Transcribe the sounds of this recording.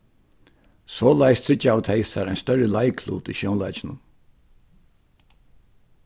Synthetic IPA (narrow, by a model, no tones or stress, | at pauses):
sɔːlajst̪ʰɾɪt͡ʃːawt̪ʰɛɪsaɾaɪjnst̪œɾːəlaɪkʰlṵːt̪ḭːʃjoʊnla̰ɪt͡ʃɪnʊm